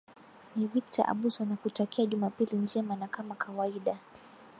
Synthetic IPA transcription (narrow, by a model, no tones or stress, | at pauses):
nivikta̰ʔa̰ɓusɔnakutakiaʄumapilind͡ʒɛmanakamakʰawaiɗa